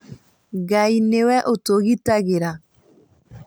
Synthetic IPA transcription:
ɣainewɛʔotoɣitaɣeɾa

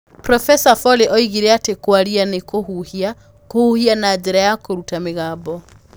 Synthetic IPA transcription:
pɾɔfɛsafɔleʔɔiɣiɾɛatekwaɾianekoɦuhia | kohuhianaɲd͡ʒeɾajakoɾutameɣaːbɔ

